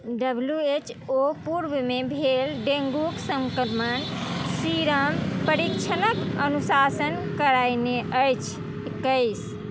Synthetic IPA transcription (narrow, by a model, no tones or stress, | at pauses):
ɖəbljuet͡ʃopuɾbmebʱelɖẽŋɡuksəŋkəɾmənsiɾəmpəɾikt͡ʃʰənəkənusasənkəɾajneʔəjt͡ʃʰ | ekːəɪs